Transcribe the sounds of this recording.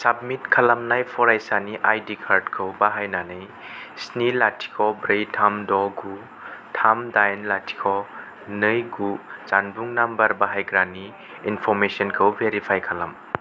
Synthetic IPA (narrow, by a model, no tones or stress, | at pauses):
sab̚mitkʰɐlamnajpʰɔɾajsaniʔajdikʰaɾdkʰɯwbaɦajnanɯj | snilatʰi̥kʰɔbɾejtʰamdɔɡu | tʰamdajnlatʰi̥kʰɔ | nɯjɡuzanbuŋnambɐɾbaɦajɡɾani | inpʰɔɾmesɔnkʰɯwbeɾipʰajkʰalɐm